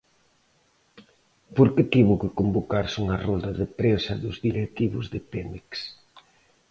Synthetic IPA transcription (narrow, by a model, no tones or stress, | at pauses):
poɾkɪt̪iβʊkɪkombokaɾsuŋɐrɔld̪ɐðɪpɾesɐðʊzðiɾet̪iβʊzðɪpemeks